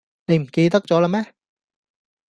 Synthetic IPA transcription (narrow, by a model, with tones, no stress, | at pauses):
ne˨˧jm̩˨˩ke˧jt̪̬ɐ˥k̚t͡sɔː˨˥la˧˥mɛː˥